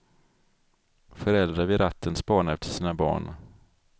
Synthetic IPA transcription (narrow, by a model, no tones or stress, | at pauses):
fœɾɛld̪ɾavɪɾat̪ʰːənspɑːɳaɾɛft̪ʰəʂiːnabɑ̰ːɳ